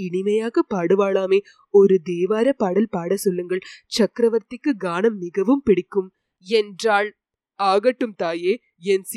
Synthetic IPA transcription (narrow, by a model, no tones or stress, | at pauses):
ɪɳɪmɐjaːɣɐpaːɽɯʋaːɭaːmeː | ɔɾɯd̪eːʋaːɾɐpaːɽɐlpaːɽɐsɔlːɯŋɡɐɭt͡ʃɐkɾɐʋɐɾt̪ɪkːɯɡaːɳɐmːɪɣɐʋɯmpɪɽɪkːɯm | ɛndraːɭ | aːɣɐʈːɯmt̪aːjeː | ɛnsi